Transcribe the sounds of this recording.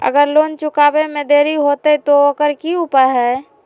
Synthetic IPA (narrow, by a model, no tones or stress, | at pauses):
ə̰ɡəɾloːnt͡ʃʊkaːbemẽd̪eːɾiɦot̪et̪oəkəɾkiupəɾɦɛː